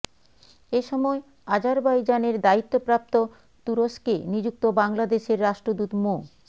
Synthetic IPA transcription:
eʃɔmɔe | ad͡ʑaɾbajd͡ʑaneɾd̪ait̪ːopɾap̚t̪o | t̪uɾoʃkenid͡ʑuk̚t̪obaŋlad̪eʃeɾːaʃʈɾod̪ut̪mo

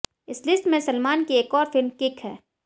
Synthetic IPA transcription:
ɪslɪsʈmẽsɐlmaːnkieːkɔːɾfʰɪlmkɪkɦɛ̰ː

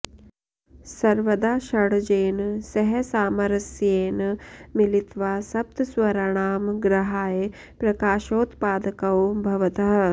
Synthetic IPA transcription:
sɐɾʋɐd̪aːʃɐɽd͡ʒeːnsɐɦɛsaːmɐɾɐsjeːnmilit̪ʋaːsɐb̚t̪sʋɐɾaɳ̃aːmɡɾɐɦaːje | pɾɐkaːʃoːt̪paːd̪ɐkɐwbʱɐʋɐt̪ɐɦɐ

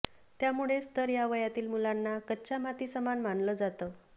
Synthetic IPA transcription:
t̪jamuɭest̪əɾjaʋəjat̪iːlmulanːakət͡ɕamat̪iːsəmanm̤aɳləd͡zat̪ə

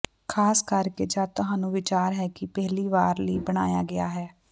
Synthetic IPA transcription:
kʰaːskəɾkeːd͡ʒaːt̪ʊɦaːnũːʋɪt͡ʃaːɾɦɛːkɪpɛɦliːʋaːɾləiːbəɽ̃a̰ːja̰ːɡɪaːɦɛː

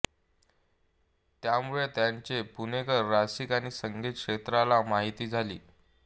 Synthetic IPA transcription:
t̪jamuɭet̪jaɲt͡ɕepunekəɾːasikañiːsəŋɡʱit̪̚kʂet̪ɾalamaɦit̪iːd͡zʱalḭː

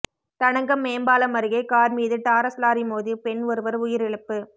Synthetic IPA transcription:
t̪ɐɳɐŋɡɐmːeːmbaːlɐmɐɾɯɣɐɪkaːɾmiːðɯʈaːɾɐslaːɾimoːðipɛnʋɐɾɯʋɐɾʊjɪɾɪɭɐpːɯ

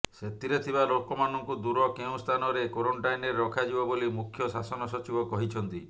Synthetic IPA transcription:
set̪iɾet̪ʰibalokɔmanɔŋkud̪uɾɔkeũst̪ʰanɔɾekoɾɔɳʈajneɾːɔkʰad͡ʒibɔbolimukʰjɔsasɔnɔsɔt͡ʃibɔkɔɦit͡ʃʰɔnt̪i

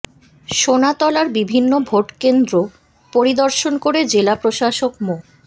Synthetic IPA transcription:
ʃonat̪ɔlaɾbibʱinːobʱoʈkend̪ɾo | poɾid̪ɔɾʃonkoɾed͡ʑelapɾoʃaʃokmo

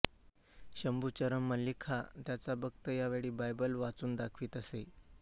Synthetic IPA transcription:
ɕəmbʱuːt͡ɕəɾəmːəlːikʰat̪jat͡sabəɡ̚t̪əjaʋeɽiːbajbəlʋat͡suːnd̪akʰʋiːt̪əse

